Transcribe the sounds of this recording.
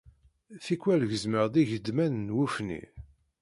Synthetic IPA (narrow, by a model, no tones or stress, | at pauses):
θikʷwælʝəzməʁðiʝəd̪mænnwufnḭ